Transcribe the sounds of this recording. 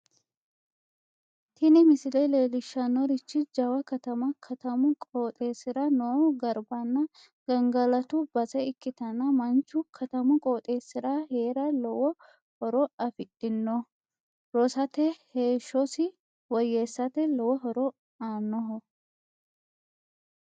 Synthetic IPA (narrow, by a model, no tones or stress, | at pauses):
t̪ʰɪnɪmɪsɪlɛjleːlɪʃːɐnːɔɾɪt͡ʃːɪd͡ʒɐwɐkɐt̪ɐmɐkʰɐt̪ɐmʊkʼoːt̪ʼe̞ːsɪɾɐnoːɡɐɾbɐnːɐ | ɡ̥ɐŋɡɐlɐt̪ʊbɐsɛɪkːɪt̪ɐnːɐmɐnt͡ʃːʊkʰɐt̪ɐmʊkʼoːt̪ʼe̞ːsːɪɾahe̞ːɾɐlɔwɔ | hɔɾɔɐfɪt̪ʼːɪnːɔ | ɾɔsɐt̪ɛheːʃːɔsɪ | wɔjeːsːɐt̪ɛlɔwɔɦɔɾɔ | aːnːɔɦɔ